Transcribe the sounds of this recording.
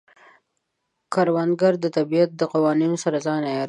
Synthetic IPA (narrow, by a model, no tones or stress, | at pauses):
kʰɑɾwand̪ɡaɾd̪ət̪abijat̪̚d̪əqawɑninosaɾazɑnaj